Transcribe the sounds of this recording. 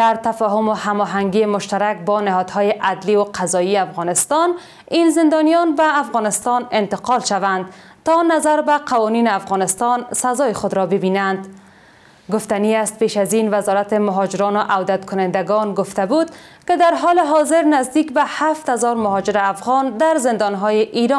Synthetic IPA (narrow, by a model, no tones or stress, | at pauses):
d̪aɾt̪afɒɦʊmohamɔɦaŋɡimʊʃt̪aɾak̚bɔnɪɦɒd̪hɔjɪʔad̪liwʊqʰazɒiafɣɔnɪst̪ɒn | inzɪnd̪ɒnijɔnbaːfɣɔnɪst̪ɔnɪnt̪ɪqɒlʃavand̪ | t̪ɔnazaɾbaqawɒninɪafɣɔnɪst̪ɒnsazɒjɪxʊd̪ɾɔbɪbinand̪ | ɡʊft̪aniast̪̚peʃazinvazɒɾat̪ɪmʊɦɔd͡ʒɪɾɔnʊʔawd̪at̪kʊnɪnd̪aɡɔnɡʊft̪abud̪̚ | kɪd̪aɾɦɔlɪɦɔzɪɾnazd̪ikbahaft̪hazɔɾmʊɦɔd͡ʒɪɾɪafɣɔnd̪aɾzɪnd̪ɒnɦɔjɪʔiɾɔn